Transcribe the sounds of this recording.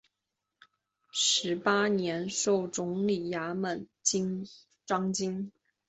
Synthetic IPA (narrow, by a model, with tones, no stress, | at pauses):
ʂɻ̩˧˥pa˥njɛ˧˥nʂo˥˩ʊʈ͡ʂʊ˧˥ŋli˨˩ja˧˥mə˨˩nt͡ɕi˥ŋ | ʈ͡ʂɑ˥ŋt͡ɕi˥ŋ